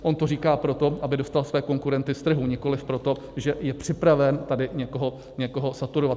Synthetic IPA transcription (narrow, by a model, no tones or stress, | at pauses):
ʔo̞nt̪oriːkaːpɾo̞t̪o̞ʔabɪdo̞st̪alsvɛːko̞ŋkuɾɛnt̪ɪst̪r̩ɦuɲɪko̞lɪfpɾo̞t̪o̞ | ʒɛjɛpr̝̥ɪpɾavɛnt̪adɪɲɛkoɦo̞ | ɲɛko̞ɦo̞sat̪uɾovat̪